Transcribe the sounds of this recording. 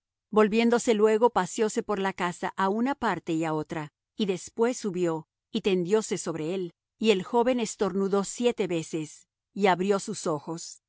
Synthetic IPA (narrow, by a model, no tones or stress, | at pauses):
bo̞lβje̞nd̪o̞se̞lwe̞ɣo̞pasjo̞se̞po̞ɾlakasaʔaunapaɾt̪e̞iao̞t̪ɾa | iðe̞spwe̞sːuβjo̞ | it̪e̞nd̪jo̞se̞so̞βɾe̞el | ie̞lxo̞βe̞nest̪o̞ɾnuðo̞sje̞t̪e̞βe̞se̞s | iaβɾjo̞suso̞xo̞s